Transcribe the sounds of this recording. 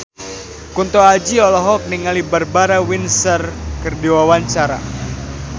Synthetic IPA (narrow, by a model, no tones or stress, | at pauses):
kunt̪ɔad͡ʒiɔlɔɦɔk̚niŋalibərbaɾawinsərkɨrdiwawaɲt͡ʃaɾa̰